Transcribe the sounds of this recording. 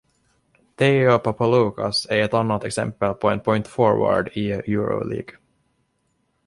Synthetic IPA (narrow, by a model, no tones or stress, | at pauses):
d̪̥ɛjɔpʰapːaluːka̰sæɾɛt̪anːat̪ɛksɛ̰mpəlpʰɔɛnpʰɔʏnt̪fɔɹva̰ɖɪjʉːɾɔ̰lḭːɡ